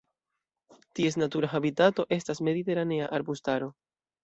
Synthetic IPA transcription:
tie̞s̬natuɾaxabitato̞ʔe̞stasme̞dite̞ɾane̞aʔaɾbustaɾo̞

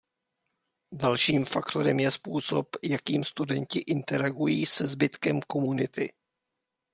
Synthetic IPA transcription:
dalʃiːmfakt̪o̞ɾɛmjɛspuːso̞pjakiːmst̪udɛncɪʔɪnt̪ɛɾaɡujiːsɛzbɪt̪kɛmko̞munɪt̪ɪ

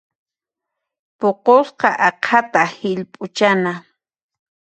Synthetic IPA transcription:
poqosqɑʔɑqʰat̪ahɪʎpʼʊt͡ʃana

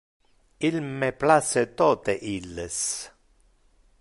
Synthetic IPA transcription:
ilmeplaset̪ɔt̪eʔilːes

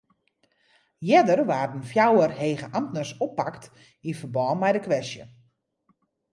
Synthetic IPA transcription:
jɛdərʋaːrdən̩fjawərheːɣəʔamtnəsɔpːakt | infərbɔːnmɛjdəkʋɛstjə̰

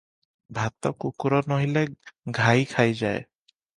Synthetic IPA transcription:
bʱat̪ːɔkukuɾɔnoɦileɡʱajkʰajd͡ʑae

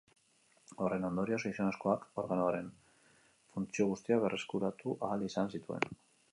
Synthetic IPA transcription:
o̞re̞no̞nd̪o̞ɾio̞sajsonasko̞ako̞ɾɣanoaɾe̞n | funt͡sio̞ɣ̞ust̪iaβe̞rʔe̞skuɾat̪uʔaːlisansit̪ue̞̰n

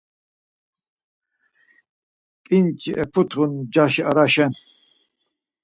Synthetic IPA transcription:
kʼint͡ʃʰʼiʔɛpʰut̪ʰχund͡ʒaʃiaɾaʃɛn

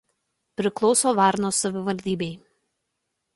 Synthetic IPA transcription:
pʲɾʲɪklˠɔʊsoːʋɑˑɾnoːsɐʋʲɪʋɐlʲd̪ʲiːbʲɛɪ

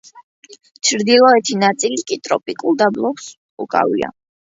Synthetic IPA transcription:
t͡ʃʰɾd̪ilˠɔɛt̪ʰinat̪sʼilit̪kʼit̪ʼɾɔpʼikʼulˠd̪ablˠɔps | ukʼa̰vḭa̰

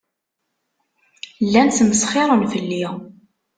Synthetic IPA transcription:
lːænθməsχɪɾˤənfəlːi

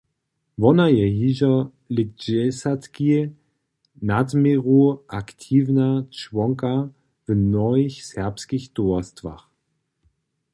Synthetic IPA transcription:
vɔnajɛjiʒɐ | lɪd͡ʒɛsatki | nadmeʁuʔaktʰiːvnat͡ʃvɔŋka | vənɔɪçsɛɐpskixtoɐstva̰χ

